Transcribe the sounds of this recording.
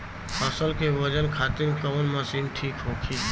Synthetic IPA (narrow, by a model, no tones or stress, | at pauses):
həsəlkeʋəd͡ʒənkʰaːt̪iɾkəʋənməsiːnʈʰiːkɦoːkʰiː